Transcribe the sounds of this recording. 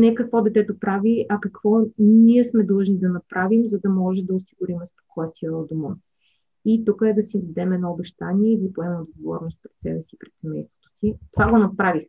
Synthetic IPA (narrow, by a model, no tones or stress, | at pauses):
nɛkɐkvɔd̪ɛt̪ɛt̪opɾaviʔɐkɐkv̥ɔniɛsmɛd̪lˠɤʒnid̪ɐnɐpɾavimzɐd̪ɐmɔʒɛd̪ɐʊsiɡʊɾimɛspo̥kɔst̪viəod̪omə | it̪ukəɛd̪ɐsid̪id̪ɛmɛd̪nɔobɛʃt̪aniɛid̪ipoɛmɛmd̪d̪ɡovɔ̰ɾnost̪̚pɾɛt̪sɛbɛsipɾɛt̪sɛmɛjst̪vo̥t̪o̥sit̪ovaɡonɐpɾavix